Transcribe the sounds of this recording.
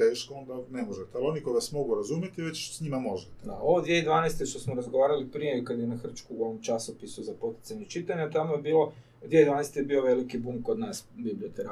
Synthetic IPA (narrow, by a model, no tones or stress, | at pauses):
t̪eːʃkoond̪anemoʒet̪ɛalio̞nikod̪asmo̞ɡuɾazuːmjet̪iʋet͡ɕosɲimamo̞ʒet̪ed̪ao̞ʋod̪ʋiejd̪ʋaːnejst̪e̞ʃt̪o̞smoɾazɡo̞ʋaːɾalipɾije̞kad̪jenaxr̩t͡ʃkuuo̞ʋo̞mt͡ʃasopisuzapo̞t̪i̥t̪saɲet͡ʃit̪aɲat̪amoje̞biːlˠo̞ | d̪ʋied̪ʋaːnest̪ejebio̞ʋe̞likibumkod̪naːsbibliot̪eɾa